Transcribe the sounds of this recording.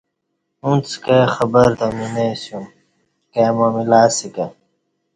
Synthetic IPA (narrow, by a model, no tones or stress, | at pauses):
ũnt͡skexɐbɐɾt̪ɐminesjum | kemomilaːsikɐ